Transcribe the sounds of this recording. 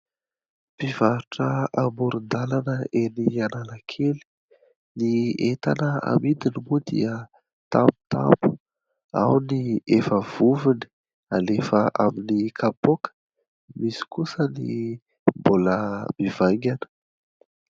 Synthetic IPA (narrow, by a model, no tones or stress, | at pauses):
pivaɾuʈ͡ʂəamuɾund̪alanəʔenianalakʰeli̥ | niet̪anəa̰mid̪inimud̪ḭə | t̪amu̥t̪a̰mpu̥ | a̰wniefəv̥uvini̥ | alefəʔaminikʰapokə̥ | misi̥kusənḭ | mboləmivaŋɡʲanə̥